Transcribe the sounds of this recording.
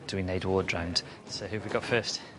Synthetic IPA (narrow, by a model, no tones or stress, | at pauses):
d̥əwineɪdwɔːdɹãʊ̃nd̥ | səʊhʉːvwiɡɒtfɜˑst